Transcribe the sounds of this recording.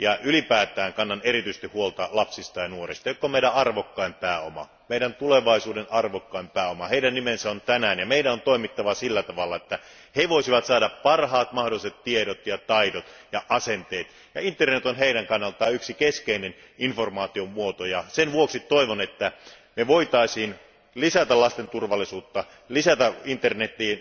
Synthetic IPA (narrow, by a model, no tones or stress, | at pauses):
jɑylipæːt̪ˑæːŋkɑnːɑnerit̪yise̥st̪ihuolt̪ɑlɑpsist̪ɑjɑnuorist̪ɑjokːomeiɾæɑrʋokːɑimpæːomɑ̰ | meiɾænt̪uleʋɑisuːdenʔɑrʋokːɑimpæːomɑheiɾænːimensæont̪ænæːnjɑmeidæont̪oimit̪ːɑʋɑsilːæt̪ɑʋɑlːɑet̪ːæ | heʋoisiʋɑt̪sɑːdɑppɑrhɑːt̪mɑhdoliset̪tieɾot̪jɑt̪ɑidot̪jɑʔɑsent̪eːt̪ | jɑint̪ːˑernet̪onɦeiɾæŋkɑnːɑlt̪ɑːyksikeskeinen | informɑːt̪iommuot̪ojɑsenʋuoksit̪oiʋonet̪ːæ | meʋoit̪ɑisiːn | lisæt̪ælɑst̪ent̪urʋɑlːˑisuːt̪ːɑ | lisæt̪æint̪ːernet̪ːˑiː